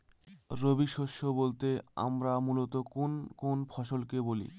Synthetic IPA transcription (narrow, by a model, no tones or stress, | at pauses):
ɾobiʃoʃːobolt̪ea̰mɾamulot̪okonkonfʰɔʃolkebolḭ